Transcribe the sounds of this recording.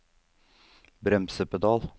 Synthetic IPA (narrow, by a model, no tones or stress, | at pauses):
bɾɛmsəpəd̪ɑːl